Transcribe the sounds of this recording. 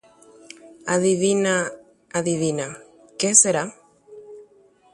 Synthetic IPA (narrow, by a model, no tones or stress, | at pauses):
aðiβina | aðiβina | keseɾa